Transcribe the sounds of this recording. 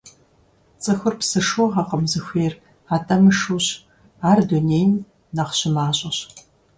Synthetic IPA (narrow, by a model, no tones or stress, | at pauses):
t͡sʼɨxʷʊrpsɨʂuʁɐqəmzɨxʷeːr | aːtʼɐmɨʂuːɕ | aːrduneːjn | nɐχɕɪmaːɕʼɐɕ